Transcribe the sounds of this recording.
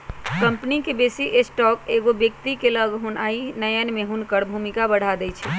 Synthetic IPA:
kəmpnikebesiʔesʈɔkeɡobjək̚t̪ikeləɡɦunainəjənmeɦunkəɽbʱumikabəɽ̤ad̪ɛjt͡ʃʰɛ

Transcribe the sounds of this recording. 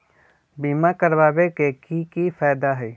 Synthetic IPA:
biːmakəɾbaːbekekikifʰaːd̪aɦɛ

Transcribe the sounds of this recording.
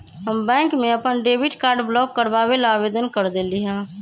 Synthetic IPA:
ɦəmbɛ̃ːŋkmẽəpənɖeːbɪʈkaːɾɖblɔːk̚kəɾbaːʋelaaːʋeːd̪ənkəɾd̪eːliɦɛ̃ː

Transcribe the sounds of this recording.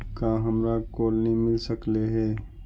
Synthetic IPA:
kaɦɐmɾakoːlnɐɦĩmɪlsəkleɦɛː

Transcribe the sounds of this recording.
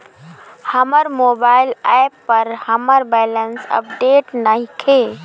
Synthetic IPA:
həməɾmobaɪlapːəɾhəməɾbɛɪlənsə̰p̚ɖeʈnaɦikʰe

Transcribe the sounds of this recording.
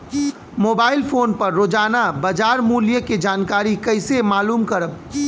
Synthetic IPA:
moːbaːɪlfʰoːnpɐɾːoːd͡ʒaːnabɐd͡ʒaːɾmuːljəked͡ʒaːnkaːɾikɐɪsemaːluːmkɐɾəb

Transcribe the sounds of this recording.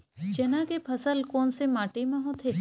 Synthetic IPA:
d͡ʒɐnãkepʰɐsəlkɔːnsemaːʈemãɦot̪ʰe

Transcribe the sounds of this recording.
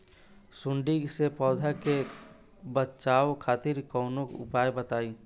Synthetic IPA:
sʊ̃ɳɖiɡsepɔːd̪ʱake | bətːt͡ʃaːokʰaːt̪ɪɾkɔʊnokʊ̰paːjbət̪aːi

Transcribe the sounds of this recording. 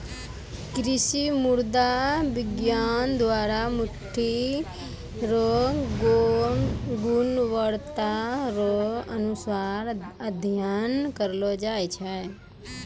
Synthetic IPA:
kɾɪʃimʊɾd̪aʋɪɡjaːnd̪ʋaːɾamʊʈʰi | ɾo | ɡʊnʋəɽt̪aɾoɐnusaɾəd̪ʱjankəɾlod͡ʒaːet͡ʃʰɛ

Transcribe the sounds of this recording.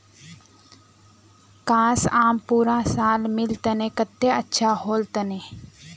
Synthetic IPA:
kãːsaːmpuːɾãsaːlmɪlt̪ənekət̪ːeətːʃʰahoːlt̪əneː

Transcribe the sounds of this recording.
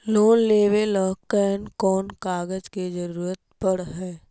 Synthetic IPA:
loːnleːʋelɔɦkɛːnkɔːnkaːɡəd͡ʒked͡ʒəɾuːɾət̪̚pəɽɦɛː

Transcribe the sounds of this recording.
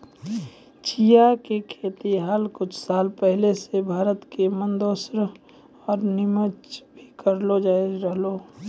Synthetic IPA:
t͡ʃʰijakekʰeːt̪iɦalkʊt͡ʃʰsaːlpɛɦlesebʱaːɾət̪kemənd̪oːsɾ | ɔːɾnɪmət͡ʃbʱikəɾlod͡ʒaːd͡ʒɾəɦloː

